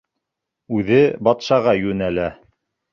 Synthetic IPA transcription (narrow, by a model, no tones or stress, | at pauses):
ʉðɘbɑt̪ʃɑʁɑjʉnælæ